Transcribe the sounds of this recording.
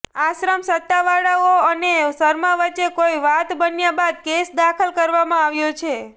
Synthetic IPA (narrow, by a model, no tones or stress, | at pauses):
aʃɾəmsət̪ːaʋaɽaoənesəɾmãʋət͡ʃːekoiʋat̪bənjabad̪̚kesd̪akʰəlkəɾʋamãaʋjot͡ʃʰe